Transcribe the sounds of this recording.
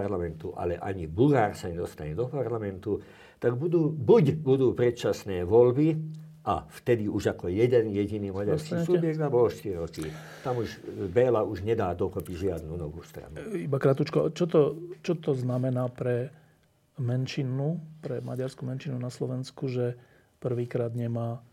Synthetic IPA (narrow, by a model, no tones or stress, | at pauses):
aɾlamɛnt̪uʔa̰lɛʔa̰ɲibulɣaːɾsaɲɛd̪ɔst̪a̰ɲɛd̪ɔpaɾlamɛnt̪u | t̪aɡbud̪uːbuɟbud̪uːpɾɛt̪t͡ʃasnɛːʋɔlbi | ʔa̰ft̪ɛd̪iuʒakɔjɛd̪ɛnjɛɟiniːmaɟaɾskisubjɛɡ̚d̪abɔlɔʃt̪iɾiɾɔki | t̪amuʒbɛːlauʒɲɛd̪aːd̪ɔkɔpiɟʒɪad̪nunɔʋṵːst̪ɾa̰nuibakɾat̪ut͡ʃkɔt͡ʃɔt̪ɔt͡ʃɔt̪ɔznamɛnaːpɾɛ | mɛnʃinupɾɛma̰ɟaɾskumɛnʃinunaslɔʋɛnskuʒɛ | pr̩ʋiːkɾaːd̪ɲɛmaː